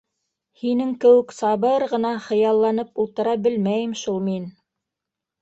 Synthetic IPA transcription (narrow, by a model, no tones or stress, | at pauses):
hinɘŋkɘ̆wɘksɑβɤɾʁɤ̆nɑχɤ̆jɑlˠːɑnɤpulˠt̪ɤ̆ɾɑbɘlmæjɘmʃulˠmin